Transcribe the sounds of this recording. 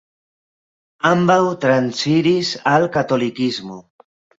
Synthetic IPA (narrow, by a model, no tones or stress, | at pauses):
ambawt̪ɾansiɾisalkat̪olikizmu